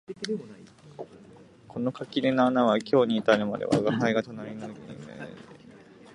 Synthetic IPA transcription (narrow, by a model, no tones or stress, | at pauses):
kʰo̞no̞kakʲiɾenaanaβakʲʰo̞ːɲ̟iːt̪aɾɯmad̪e̞̰βa̰ɡaɦaiɡat̪onaɾʲinoɡḭmḛ